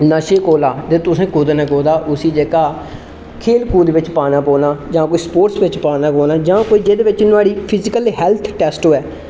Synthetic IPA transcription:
naːʃeːkoːlaːt̪eːt̪ʊsẽːkʊd̪nɛ̃ːkoːd̪aːʔʊsiːd͡ʒeːkaː | kʰeːlkuːd̪eːʋɪt͡ʃpaːnaːpoːnaːd͡ʒãːkoːiːspoːʈsʋɪt͡ʃpaːnãːkoːlaːd͡ʒãːkoːiːd͡ʒeːd̪eːʋɪt͡ʃnʊaːɽiːpʰɪzɪkəlɦɛːlt̪ʰʈɛːsʈoːɛː

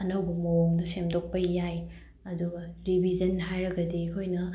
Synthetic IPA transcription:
ɐnɐwbɐmɐoŋdɐsemdok̚pɐjaj | ɐduɡɐɾibʱizɐnɦajɾɐɡɐdikʰojnɐ

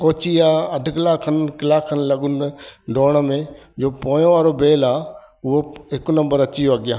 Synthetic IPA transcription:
koːt͡ʃiaːɐd̪ʱʊkɪlaːkʰːənkɪlaːkʰːənlɐɠʊnɖoːɽ̃əmẽd͡ʑoːpõːjõʋaːɾobeːlaː | ʊɦoɦɪknɐ̃mbəɾɐt͡ʃijoɐɡɪjaː

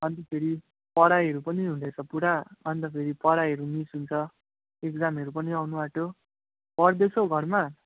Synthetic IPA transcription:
ʌnt̪epʰeɾi | pʌɽajʌɾupʌniɦũnd̪et͡sʰʌpuɽaʌnt̪ʌpʰeɾipʌɽajɦʌɾumisɦunt͡sʰʌ | ekd͡zamʌɾupʌniawnubaʈo | pʌɽd̪esʰoɡʱʌrma

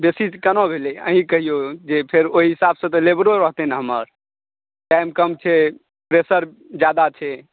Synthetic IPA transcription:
besikənobʱeleə̰ɦĩkəɦijod͡ʒepʰeɾoɦiɦisabsə̃t̪ɔlebɾoɾəɦt̪ɛnɦəməɾ | ʈajmkəmt͡ʃʰɛ | pɾesəɾ | d͡ʒjad̪at͡ʃʰɛ

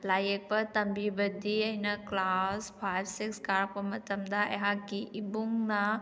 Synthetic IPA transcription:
lajek̚pɐt̪ɐmbibɐd̪iɐjnɐklaspʰajbsikskaɾpɐmɐt̪ɐmd̪aḛɦakːiʔibuŋna

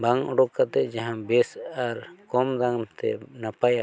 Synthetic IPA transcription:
baŋɔɖɔkat̪ɛd͡ʒaɦãbɛsaɾkɔmd̪aŋt̪ɛ̰napaja

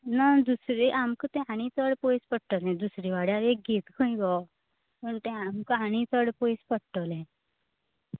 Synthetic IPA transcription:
nad̪usɾiʔamkət̪ɛ̃aɽ̃ĩt̪əɽpojspəɽʈəlɦɛ̃d̪usɾiʋaɽjaɾek̚ɡʱet̪kʰə̃ĩɡɔ | pəɳt̪ɛ̃amkəɦaɽ̃it̪əɽpojspəɽʈəlɛ̃

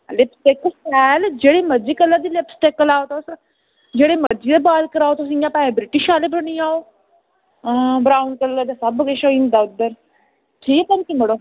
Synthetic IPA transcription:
lɪpsʈeːkːəlsɛːld͡ʒeːɽeməd͡ʒikələd̪ilepsʈekːəlaːot̪os | d͡ʒeːɽeməd͡ʒiːd̪ebaːlkəɾaːot̪osijãːpaːẽbɾɪʈiʃaːlebəniaːoː | bɾaːunkəlad̪asɐbəɡəʃoĩnd̪aːʊd̪əɾ | ʈʰiːkkənkiməɽoː

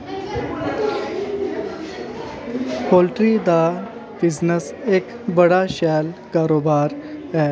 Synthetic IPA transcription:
kolʈɾid̪a | biznəs | eːk | bəɽaɕalkaːɾoːbaːɾɛ

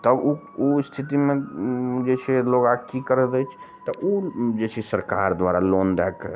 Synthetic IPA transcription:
t̪əbu | ust̪ʰit̪imẽd͡ʒet͡ʃʰeloɡakikəɾɛd̪ɛt͡ʃʰ | t̪ɔʔud͡ʒet͡ʃʰesəɾkaɾd̪ʋaɾalond̪ɛk

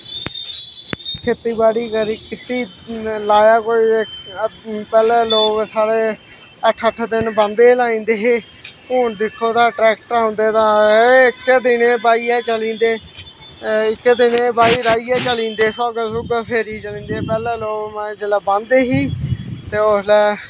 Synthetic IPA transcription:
kʰɪt̪ːiːbaːɽiːkəɾiːkɪt̪iː | laːjaːkoːiː | pɛːleːloːɡsaːɽeː | əʈʰːəʈʰd̪ɪnband̪eːlaːĩːnd̪eːɦeː | ɦuːɳd̪ɪkʰːoːd̪aːʈɾɛːk̚ʈaːʊ̃nd̪eːt̪ãːɪkːd̪ɪnẽːbaːiːɛːt͡ʃəlĩːnd̪eː | ɪkːd̪ɪnẽːbaːiːɾaːiːɛːt͡ʃəlĩːnd̪eːsaːɡəsʊɡəpʰeːɾiːt͡ʃəlĩːnd̪eːpɛːlɛːloːɡmɛ̃d͡ʒəlaːbãnd̪eːɦiːt̪eːoslɛː

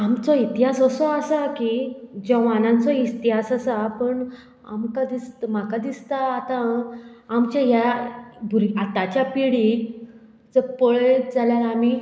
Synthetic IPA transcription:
amt͡sɔit̪iɦasəsɔasakid͡ʑəʋanãnt͡sɔit̪iɦasəsapəɳ | a̰mkad̪ist̪makad̪ist̪aːt̪ãː | mt͡ɕjãɦjabʱuɾat̪at͡ɕjapiɽi | d͡zəpəɭed͡zaljaɾami

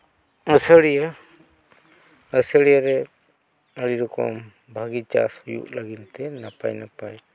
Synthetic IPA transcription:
əsəɽija | əsəɽijaɾɛ | əɽiɾɔkɔ̰m | bʱaɡit͡ʃa̰shujṵʔlaɡint̪ɛnapa̰jnapaj

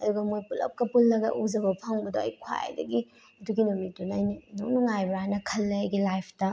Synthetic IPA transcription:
ɐduɡɐmojpulɐ̰p̚kɐpulːɐɡɐ̰ʔuzɐbɐpʰɐŋbɐdoɐ̰jkʰwa̰j̰dɐ̰ɡi | ɐduɡinumitunajninonuŋajbɾanɐkʰɐlːeɐjɡilajpʰtɐ

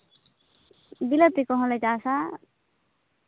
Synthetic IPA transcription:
b̪ilət̪ikɔɦɔ̃lɛd͡ʒasa

